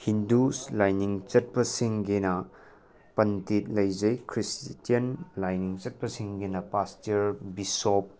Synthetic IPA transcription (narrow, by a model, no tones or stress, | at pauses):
hinduslajniŋt͡ʃɐt̚pɐsiŋɡenɐ | pɐntit̚lɐjd͡ʒɐjkʰɾistijɐnlajniŋt͡ʃɐt̚pɐsiŋɡenɐpastiɐɾbisop̚